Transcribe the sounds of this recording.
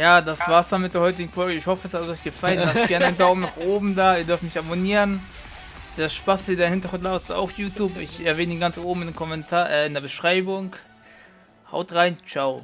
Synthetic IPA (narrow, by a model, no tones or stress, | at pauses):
jaːdasv̥aːɐsd̥anmɪt̚d̥eːɐhɔʏtɪɡŋ̩fɔlɡəɪçhɔfəsasɔʏçɡ̥əfalənaɡɛɐnəɪntɐoːm̩naχʔoːbm̩daːiːɐdʏɐftmɪçaboniːʁənː | asʃpasideɐhɪntɐɡʁʊntlaʊsa̰ʊxjuːtʰjuːpɪçʔɛɐveːnəiːnɡant͡sʔoːbm̩ɪndemkʰɔmɛntʰaːʔɛːɪndeːɐbəʃʁ̥aɪbʊŋ | ha̰ʊtʁaɪnt͡ʃaʊ